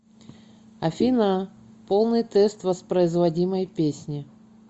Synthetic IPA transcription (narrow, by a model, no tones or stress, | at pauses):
ɐfʲina | po̞lˠnɨjt̪ɛst̪vəspɾəɪzvɐdʲiməjpʲesʲnʲɪ